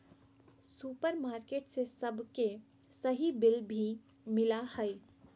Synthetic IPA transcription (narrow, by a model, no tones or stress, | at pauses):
suːpəɾmaːɾkeːʈsesɐbʱke | səɦibɪlbʱi | mɪlahəj